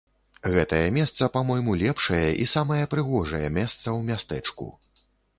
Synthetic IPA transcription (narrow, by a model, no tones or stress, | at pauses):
ɣɛt̪ɐjɐmʲɛst̪sɐpamɔjmulʲɛpʂɐjɐʔisamɐjɐpɾɨɣɔʐɐjɐmʲɛst̪sɐwmʲast̪ɛt͡ʂkṵ